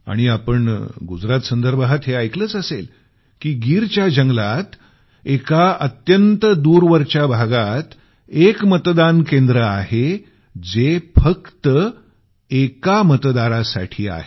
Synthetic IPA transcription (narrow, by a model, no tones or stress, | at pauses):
a̰ɽ̃iapəɳɡud͡zɾat̪sənd̪əɾbʱɦat̪ɦeajkləːt͡səsel | kiːɡiːɾt͡ɕjad͡ʑəŋɡlat̪ | ekaət̪jənt̪əd̪uɾʋəɾt͡ɕabʱaɡat̪ | ekmət̪d̪ankend̪ɾəaɦe | d͡zefəkt̪ə | ekamət̪d̪aɾasa̰ʈʰiːa̰ɦe